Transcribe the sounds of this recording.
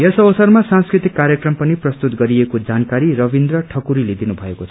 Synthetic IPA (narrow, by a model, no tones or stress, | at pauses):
jʌsʌbʌsʌrmasãnskrit̪ikːaɾjekrʌmpʌniprʌst̪ut̪ɡʌɾiekod͡zankaɾirʌbind̪rʌʈʰʌkuɾiled̪inubʱʌekot͡sʰʌ̥